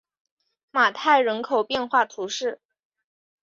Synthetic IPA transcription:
ma˨˩t̪ʰa˥˩ɪɻə˧˥nkʰo˨˩ʊpjɛ˥˧nxwa˥˩t̪ʰu˧˥ʂɻ̩˥˩

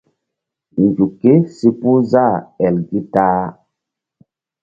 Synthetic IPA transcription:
n˨d͡ʒu˨ke˦si˦pu˦za˦˨ɛ˨lɡi˦taː˦

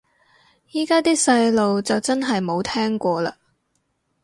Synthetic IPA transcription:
jiː˥kaː˥t̪iː˥sɐ˧jlo˨wt͡sɐ˨wt͡sɐ˥nɦɐ˨jmo˨˧wt̪ʰɛː˥ŋkʷɔː˧laː˧

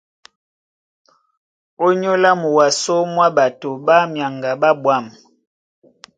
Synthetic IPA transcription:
o˦ɲo˦la˦mu˨wa˨so˦mwa˦ba˨to˨ba˦mja˨ŋɡa˨ba˦bwa˦˨m

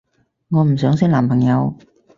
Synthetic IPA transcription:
ŋɔː˨˧m̩˨˩sœː˨˥ŋsiː˥nlaː˨˩mpʰɐ˨˩ŋjɐ˨˧w

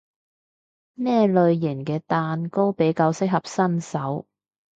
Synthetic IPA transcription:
nɛː˥lɵ˨˧ɥjɪ˨˩nkɛː˧t̪aː˨˧nko˥wpe˨˥jkaː˧wsɪ˥k̚hɐ˨p̚sɐ˥nsɐ˨˥w

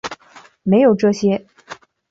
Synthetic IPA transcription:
me˧˥ɪjo˨˩ʊʈ͡ʂɤ˥˧ɕjɛ˥

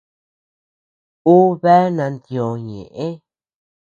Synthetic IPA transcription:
u˦βe˦nã˧nd̪jo˨ɲḛ̃˨ʔẽ˦

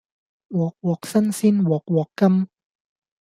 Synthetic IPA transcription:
wɔː˨˩k̚wɔː˨˩k̚sɐ˥nsiː˥˩nwɔː˨˩k̚wɔː˨˩kːɐ˥m

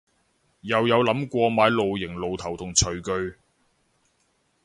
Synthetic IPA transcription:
jɐ˨wjɐ˨˧wlɐ˨˥mkʷɔː˧maː˨˧˥jlo˨wjɪ˨˩ŋlo˨˩wt̪ʰɐ˨˩wt̪ʰʊ˨˩ŋt͡ʃʰɵ˨˩ɥkɵ˧ɥ

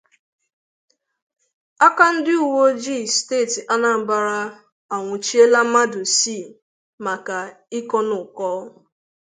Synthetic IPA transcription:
a˦ka˦n̩˦dɪ˦u˨wo˦d͡ʒi˦˨steː˦˨ti˨ʔa˦na˨m̩˦ba˨ɾa˦ | a˨ŋʷʊ˨t͡ʃi˦e˦la˦ma˦do˨si˦˨ | ma˨ka˨ | i˦kɔ˦nʊ˨kɔ˦

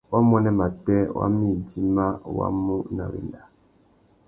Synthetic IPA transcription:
wa˦mɔ˦nɛ˦ma˨tɛ˦wʔa̰˦mi˦˨d͡ʒi˦ma˦wa̰˦mu˦na̰˨wḭ˨n˨da˨

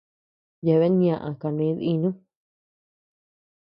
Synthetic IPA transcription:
je˧˨βe˦ɲã˧˨ʔã̰˧ka˨˧nẽ˨˧˦ði˧nũ˦

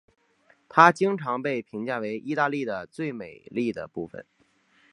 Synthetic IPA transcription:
t̪ʰa˥t͡ɕi˥ŋʈ͡ʂʰɑ˧˥ŋpe˥˩ɪpʰi˧˥ŋt͡ɕja˥˩we˧˥ɪʔi˥˧t̪a˥˧li˥˩d̪ə˩t͡swe˥˩ɪme˨˩ɪli˥˩d̪ə̰˩pṵ˥˩fə̰˩n

